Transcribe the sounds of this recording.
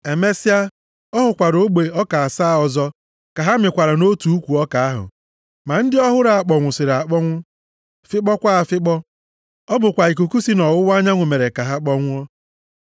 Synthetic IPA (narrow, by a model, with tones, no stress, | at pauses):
e˨me˦si˦a˦ | ɔ˦ɦʊ˨kʷa˨ɾo˦ɡ͡be˨ɔ˦ka˨a˨saː˦˨ɔ˨zɔ˦ | ka˨ɦa˦mɪ˨kʷa˨ɾa˨no˦tu˨u˦kʷu˨ɔ˦ka˨a˦ɦʊ̰˨ | ma˨n̩˦dɪ˦ɔ˦ɦʊ˦ɾa˨a˨k͡pɔ˨ŋʷʊ˨sɪ˨ɾa˨k͡pɔ˦ŋʷʊ˦ | fɪ˦k͡pɔ˦kʷa˦a˨fɪ˦k͡pɔ˦ | ɔ˦bʊ˨kʷa˨i˨k̬u˨ku˦si˦nɔ˨wʊ˦wa˦ɲa˦ŋʷʊ˨me˨ɾe˨ka˨ɦa˦k͡pɔ˦ŋʷʊ˦ɔ˦